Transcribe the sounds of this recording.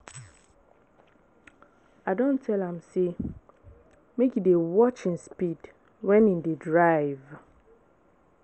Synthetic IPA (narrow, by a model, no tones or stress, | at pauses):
adõntʰɛlãmse | mekjidewɔt͡ʃĩnspid | wɛ̃nĩndedɹaɪv